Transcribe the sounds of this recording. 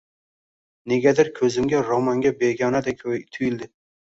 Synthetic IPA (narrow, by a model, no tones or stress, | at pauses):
neɡʲad̪ɪɾkʲʰɵzɪmɡʲaɾomaŋɡʲabeɡʲɑnad̪ɛkʲʰt̪ʰʊjɪld̪ɪ